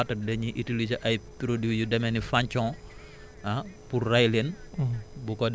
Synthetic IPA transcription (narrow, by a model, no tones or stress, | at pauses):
tɐdɛɲiʔitilid͡ʒəʔɐjpɾodujudɛmɛnifaɲt͡ʃɔ̃ | apurːajlen | bukɔd